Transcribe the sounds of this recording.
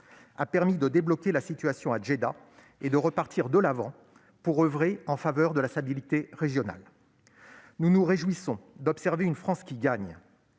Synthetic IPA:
a̰pɛʁmid̪əd̪eblɔkʲelasit̪ɥasjɔ̃ad͡ʒed̪a | ed̪əʁəpaʁt̪ʰiʁd̪əlavɑ̃ | puʁøvʁeɑ̃favœʁd̪əlast̪abilit̪eʁeʒjɔna̰l | nunuʁeʒwisɔ̃d̪ɔpsɛʁveynfχɑ̃skʲiɡaɲ

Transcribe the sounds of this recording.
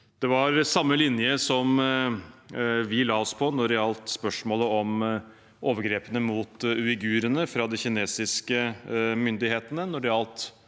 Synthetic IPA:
d̪̥ɛʋɑɾsɑmːəlɪnjəsɔm | ʋɪlɑːɔspʰɔnɔɾɛɑlt̪spœʂmoːləɔm | oːʋəɾɡɾeːpənəmuːt̪ʉɪɡʉːɾənəfɾɑd̪ɪçɪneːsɪskəmʏnd̪ɪheːt̪ənənɔɖɛɑlt̪

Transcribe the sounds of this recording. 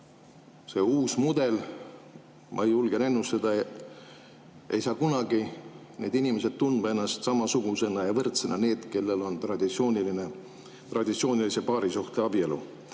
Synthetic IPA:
se̞ːuːsmud̪̥e̞l | mʔɑ̰ejulɡ̥ene̞nːust̪ed̪̥ɑet̪ | e̞̰jsɑːkunɑɡ̥i | ne̞ːd̪inimes̬e̞d̪̚t̪und̪m̥ɑe̞nːɑst̪sɑmɑsuɡ̥use̞nɑjɑvɤrt̪senɑne̞ːd̪̥ke̞lːe̞lo̞nt̪rɑd̪̥isioːniline | t̪rɑd̪it̪sio̞ːnʲilise̞pɑːɾisuht̪eɑb̥ielṵ

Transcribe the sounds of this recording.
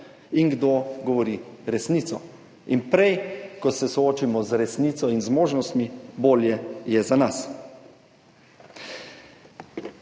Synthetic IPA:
iŋɡd̪oɡɔʋɔɾiɾɛsniːt̪sɔ | inpɾɛjkɔsɛsɔoːt͡ʃimɔzɾɛsniːt̪sɔinzmoːʒnɔst̪miboːljɛjɛzanas

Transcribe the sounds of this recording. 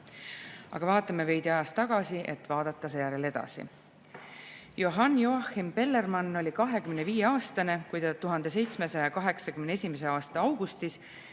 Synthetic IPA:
ɑ̰ɡ̥ɑvɑːt̪ːˑɑmeve̞jd̪iɑjɑst̪ɑɡ̥ɑsiʔe̞̰t̪ːˑvɑːd̪̥ɑt̪ˑːɑsejæɾele̞d̪̥ɑ̰sḭ | joɦɑnːjoɑximpe̞lːe̞rmɑnːo̞lʲikɑɦe̞kymneviːje̞ɑːst̪ɑne̞kujd̪ɑt̪uɦɑnd̪e̞s̬e̞jt̪sme̞sɑjɑkɑɦe̞ksɑkymnee̞sʲimeseɑːst̪ɑɑwɡ̥ust̪is

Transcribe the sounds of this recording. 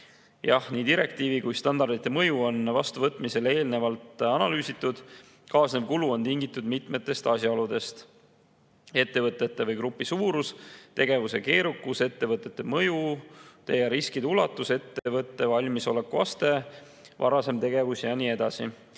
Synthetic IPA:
jɑhniːd̪iɾe̞k̚t̪iːvikujst̪ɑnd̪̥ɑrd̪it̪ˑːe̞mɤjuo̞nvɑst̪uvɤt̪ːˑmise̞le̞ːlne̞vɑlt̪ɑnɑlyːsit̪ːˑud̪̥ | kɑːsnevkuluo̞nt̪iŋɡit̪ːˑud̪mit̪ˑme̞t̪ːˑe̞st̪ɑsjɑolud̪e̞st̪ | e̞t̪ːe̞vɤt̪ːˑe̞t̪ːe̞vɤjkɾupːˑisuːɾust̪e̞ɡ̥e̞vuse̞ke̞ːɾukːuse̞t̪ːe̞vɤt̪ːˑe̞t̪ːe̞mɤjut̪e̞jɑɾiskid̪ulɑt̪ːˑuse̞t̪ːevɤt̪ˑːe̞vɑlʲmiso̞le̞kːuɑ̰st̪e̞ | vɑ̰ɾɑse̞mt̪e̞ɡe̞vusjɑnie̞d̪̥ɑsi

